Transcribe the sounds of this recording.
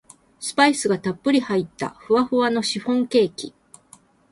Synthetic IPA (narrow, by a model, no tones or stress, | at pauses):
sɨ̥paisɨɡat̪apːɯ̟ɾʲihait̪ːa̰ɸɯ̟βaɸɯ̟βano̞ɕiɸõ̞ŋke̞ːkʲḭ